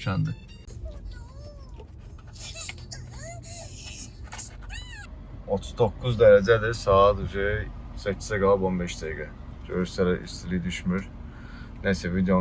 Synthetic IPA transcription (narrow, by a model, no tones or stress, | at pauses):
ʃænd̪ɪ | ot̪ʰu̥zd̪okʰːuzd̪eɾɛd͡ʒɛd̪ɪɾsaːd̪uze | sɛcʰi̥sɛɡalˠbonbɛʃt̪ʰeɡa | d͡ʒøɾsɛɾɛʔḭst̪ʰilʲid̪yʃmyɾ | nɛsɛvid̪jo